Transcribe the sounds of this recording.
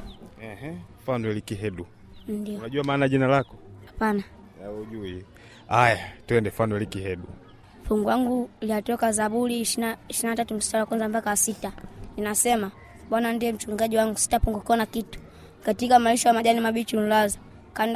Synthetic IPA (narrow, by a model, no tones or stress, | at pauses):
ɛhɛfanwɛlikiɦɛɗu | ndinaʄuamaːnaʄinalakɔhapana | ɛuʄui | ajatuɛndɛfanwɛlikihɛɗṵ | fuŋɡuwaŋɡuliatɔkazaɓuliʃinaiʃilinatatum̩si̥talakwanzambakawasitaninasɛma | ɓwanandiɛm̩t͡ʃuŋɡaʄiwaŋɡusi̥tapuŋɡukkɔnakitu̥ | katikamaliʃɔjamaʄanimaɓit͡ʃun̩laza | kand